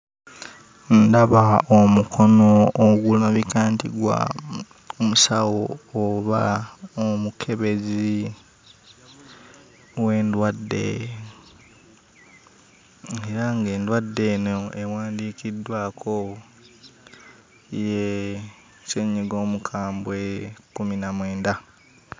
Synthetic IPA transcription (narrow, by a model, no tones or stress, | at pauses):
n̩daβaomukʰo̞noːɡulaβikaːntḭɡwa̰ | omusawoːβaomukʰe̞βe̞zi | we̞ːndwadːe̞̰ | eɾaŋɡe̞ːndwadːe̞ːnoewaːndiːkidːwaːkʰo | je | seɲːiɡo̞ːmukʰaːmbwekuminamwe̞ːnda